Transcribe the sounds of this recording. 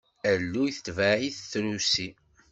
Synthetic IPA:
ælːujθə̥t̪ːvæʕiθθɾusi

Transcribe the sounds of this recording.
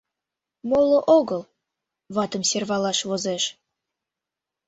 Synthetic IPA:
molˠŏʔoɣɤ̆lˠ | βɑt̪ə̆msʲerβɑlɑʃβozeʃ

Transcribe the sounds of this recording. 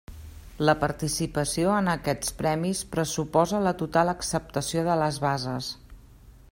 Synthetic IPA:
ləpəɾt̪isipəsioənəkɛt͡spɾɛmispɾəsupɔzələt̪ut̪alˠəksəp̚t̪əsioðələzβazəs

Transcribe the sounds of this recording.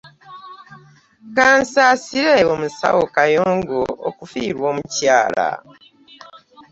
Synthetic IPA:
kaːnsaːsiɾeomusa̰wokajoːŋɡookufiːɾwo̞ːmucaːla̰

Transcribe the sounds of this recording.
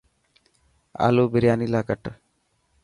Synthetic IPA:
a̰loːbɪɾjaːnilaːkəʈ

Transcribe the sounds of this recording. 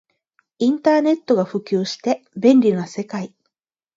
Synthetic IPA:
ĩnt̪aːne̞t̪ːo̞ɡaɸɯ̟kʲɨːɕi̥t̪e̞bẽ̞nʲɾʲinase̞kai

